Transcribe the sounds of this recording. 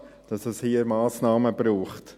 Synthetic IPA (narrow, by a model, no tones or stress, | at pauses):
d̥ɑsɛshiːəɾmɑːsnɑːməbɾuːχt